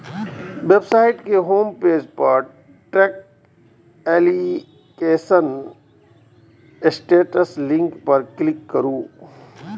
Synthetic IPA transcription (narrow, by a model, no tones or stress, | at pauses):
ʋebsaːɪʈkeɦoːmpeːd͡ʒpɐɾ | ʈɛːk̚ | ɛːli | keːsən | sʈeːʈəslɪ̃ŋkpɐɾklɪkːəɾũː